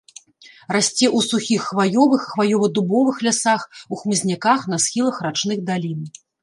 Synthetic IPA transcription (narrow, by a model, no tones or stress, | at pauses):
rasʲt͡sʲɛʔusuxʲixːvajɔvɨxːvajɔvɐd̪ubɔvɨxlʲasaxuxmɨzʲnʲakaxnɐsxʲilˠɐxrat͡ʂnɨxd̪alʲin